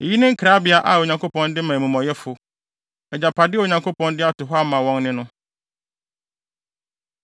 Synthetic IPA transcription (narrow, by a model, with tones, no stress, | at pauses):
e˨ji˦nʊ̃˦ŋ̩˦kʰɾa˦bɪ˨a˨ʔa˨o˨ɲã˨ŋkʰo˦pʰɔ̃˦ndɪ˦mã˨mũ˨mɔ̃˨jɛ˦fʊ˨ | ɛ˨d͡ʑa˨pʰa˨dɪ˦o˨ɲã˨ŋkʰo˦pɔ̃˦ndɪ˦a˦tʊ˨ɦɔ˦a˦mã˨wɔ̃˦ŋnɪ̃˦nʊ̃˦